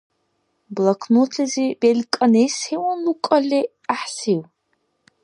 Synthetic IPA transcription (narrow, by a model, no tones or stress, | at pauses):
blˠakʰnot̪ʰizibelʲkʼɐnejshewɔnlukʼɐli | aħsiw